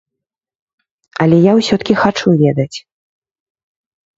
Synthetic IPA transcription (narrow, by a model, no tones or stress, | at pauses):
ɐlʲɛjawsʲɔt̪kʲixat͡ʂuvʲɛd̪ɐt͡sʲ